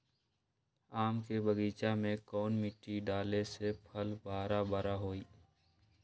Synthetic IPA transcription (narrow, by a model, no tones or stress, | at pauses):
aːmkebəɡiːt͡ʃamẽkɔːnmɪʈːiɖaːlesepʰəlbaːɾabaɾaɦoːiː